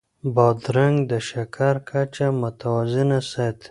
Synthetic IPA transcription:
bɑd̪ɾaŋɡd̪əʃakʰaɾkʰat͡ʃamʊt̪awazinasat̪

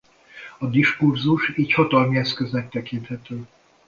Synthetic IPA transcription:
ɒd̪iʃkurzuʃiːchɒt̪ɒlmiɛskøznɛk̚t̪ɛkint̪hɛt̪øː

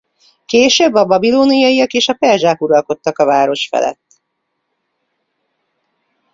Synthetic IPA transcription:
keːʃøbːɒbɒbiloːnijɒijɒkeːʃɒpɛrʒaːkuɾɒlko̞t̪ːɒkɒvaːɾo̞ʃfɛ̰lɛ̰t̪ː

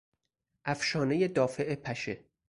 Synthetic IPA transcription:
ʔæfʃɒːne̞jed̪ɒːfe̞ʔepʰæʃe

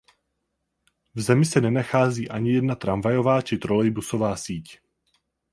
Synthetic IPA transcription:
vzɛmɪsɛnɛnaxaːziːʔaɲɪjɛdnat̪ɾʔamvajo̞vaːt͡ʃɪt̪ɾo̞lɛjbuso̞vaːsiːc

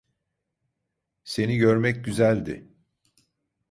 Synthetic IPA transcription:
se̞niɟøɾmɛc̚ɟyzælʲd̪ɪ̰

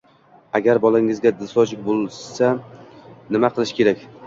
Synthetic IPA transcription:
aɡʲaɾbɒlaŋɪzɡʲad̪ɪsɒd͡ʒɪk̚bolˠsa | nɪmaqʰɨlˠɪʃkʲe̞ɾakʲ

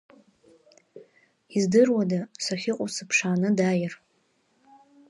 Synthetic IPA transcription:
izdɨrwadasaχʲɪqʼʊsɨpʰʂaːnɨdajɪr

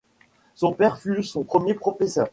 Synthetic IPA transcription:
sɔ̃pɛʁfysɔ̃pχəmjepχɔfɛsœ̰ːʁ

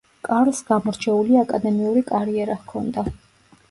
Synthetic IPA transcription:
kʼaɾlˠsɡ̥amɔɾt͡ʃʰɛuliakʼad̪ɛmiuɾikʼaɾiɛɾahkʰɔnd̪a

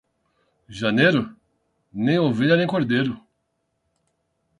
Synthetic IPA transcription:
ʒɐnejɾʊ | nẽj̃oviʎɐnẽj̃koɾd̪ejɾʊ

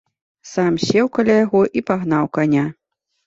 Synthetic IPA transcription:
samsʲɛwkalʲajaɣɔʔipaɣn̪awkanʲa

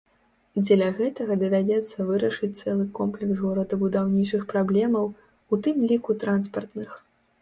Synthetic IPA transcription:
d͡zʲɛlʲɐɣɛt̪ɐɣɐd̪ɐvʲad͡zʲɛt̪sːɐvɨɾɐʂɨt͡sʲt̪sɛlˠɨkɔmplʲɛksɣɔɾɐd̪ɐbud̪awnʲit͡ʂɨxpɾablʲɛmɐw | ut̪ɨmlʲikut̪ɾanspɐrt̪nɨx

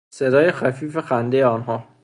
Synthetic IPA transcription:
se̞d̪ɒːje̞xæfiːfexænd̪ejeɒːnɦɒː

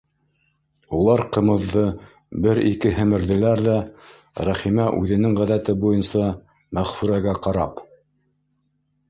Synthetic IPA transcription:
ulˠɑɾqɤ̆mɤ̆ðːɤ | bɘɾikɘɦɘ̆mɘ̆ɾðɘ̆læɾðæ | ɾæχimæʔʉðɘ̆nɘŋʁæðæt̪ɘbujɤnsɑ | mæʁfʉɾæɡæqɑɾɑ̰p

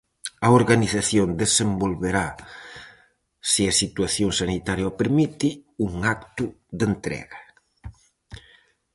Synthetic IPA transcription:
ɐoɾɣaniθaθjond̪esembolβeɾa | siɐsit̪uaθjoŋsanit̪aɾjapeɾmit̪iuŋak̚t̪ʊðent̪ɾɛ̰ɣɐ

